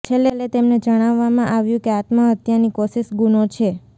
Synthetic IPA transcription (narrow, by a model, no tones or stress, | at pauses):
t͡ʃʰelelet̪emned͡ʒəɽ̃aʋːamãʔaʋjũkeat̪məət̪janikɔsiʃɡunot͡ʃʰe